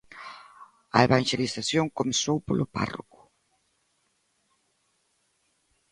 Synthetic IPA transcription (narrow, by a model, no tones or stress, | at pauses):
ɐeβaŋʃelisaθjoŋkomesowpolʊpa̰ro̰kʊ̥